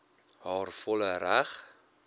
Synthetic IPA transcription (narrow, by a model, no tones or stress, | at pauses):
hɑːrfɔləɾæχ